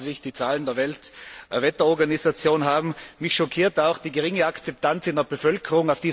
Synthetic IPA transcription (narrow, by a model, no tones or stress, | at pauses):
zɪçd̥iːt͡saːləndeːɐvɛltvɛtɐɔɐɡanizat͡sjoːnɦaːbm̩mɪçʃɔkʰiːɐtaʊxd̥iːɡəʁɪŋəakt͡sɛp̚tʰant͡sɪndəɐbəfœlkʰəʁʊŋaʊfd̥iː